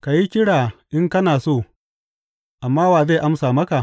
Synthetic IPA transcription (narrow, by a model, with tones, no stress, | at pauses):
ka˨ji˦kʲɪ˦ɽaː˨ʔɪ˦ŋkɐ˦naː˨soː˦˨ | ʔa˨mːaː˦waː˨ze˦˨ʔa˦msaː˨mɐ˦ka˨